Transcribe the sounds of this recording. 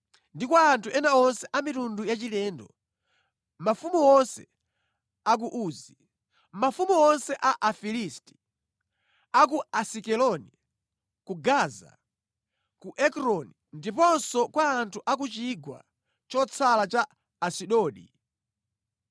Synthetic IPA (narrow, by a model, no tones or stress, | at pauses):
ndikwaːntʰuʔɛnaɔnsɛʔamitundujat͡ʃilɛːndɔ | mafumuɔnsɛ | ak̬uʔuːzi | mafumuɔnsɛʔaʔafilisti̥ | ak̬uasikɛlɔni | kuɡaːza̰ | kuʔɛkɾɔnindipɔnsɔkwaːntʰuʔak̬ut͡ʃiɡwa̰ | t͡ʃɔt͡sʰalat͡ʃaː | siɗɔːɗḭ